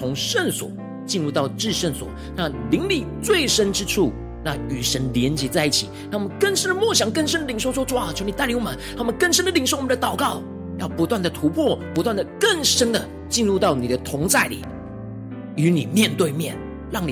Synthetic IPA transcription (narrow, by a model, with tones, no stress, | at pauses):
ʊ˧˥ŋʂə˥˩nswɔ̰˨˩˦ | t͡ɕi˥˧nɻu˥˧t̪ɑ˥˩ʊʈ͡ʂɻ̩˥˧ʂə˥˩nswɔ̰˨˩˦ | na˥˩li˧˥ŋli˨˩t͡swe˥˩ɪʂə˥nʈ͡ʂɻ̩˥ʈ͡ʂʰu˥˩ | na˥˩y˨˩ʂə˧˥nljɛ˧˥nt͡ɕjɛ˧˥t͡sa˥˧ɪi˥˩t͡ɕʰi˨˩na˥˩wɔ˨˩mə˧˦nkə˥˩nʂə˥nd̪ə˨mwɔ˥˩ɕjɑ˨˩ŋkə˥˧nʂ̬ə˥nd̪ə˨li˨˩ŋʂo˥˧ʊt͡swʈ͡ʂu˥˩a˨˩t͡ɕʰjo˧˥ʊni˨t̪a˥˩ɪli˧˥ŋwɔ˨mə˦nt̪ʰa˥˩˨mə˧˦nkə˥˩nʂə˥nd̪ə˨li˨˩ŋʂo˥˩ʊwmə˦nd̪t̪ɑ˨˩ʊkɑ˥˩ʊ | jɑ˥˩ʊpu˧˥t̪wa˥˩nd̪ə˩t̪ʰu˧˥pʰwɔ˥˩pu˧˥t̪wa˥˩nd̪ə˩kə˥˩nʂə˥nd̪ə˨ | t͡ɕi˥˧nɻu˥˧t̪ɑ˥˩ʊni˨˩d̪ə˦t̪ʰʊ˧˥ŋt͡sa˥˩ɪlḭ˨˩ | y˧˥ni˨˩mjɛ˥˧nt̪we˥˧ɪmjɛ̰˥˩n | lɑ˥˩ŋni˨